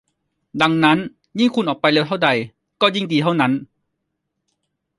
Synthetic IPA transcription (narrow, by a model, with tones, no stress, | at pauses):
da˧ŋna˦˥n | ji˥˩ŋkʰu˧nʔɔː˨˩k̚pa˧jleː˧wt̪ʰa˥˩wda˧j | kɔː˥˩ji˥˩ŋdiː˧t̪ʰa˥˩wna˦˥n